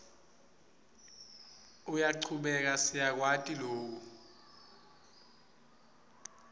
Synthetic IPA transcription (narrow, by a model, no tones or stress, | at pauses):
ujaǀʰuɓɛk̬asijak̬watʼiloːk̬u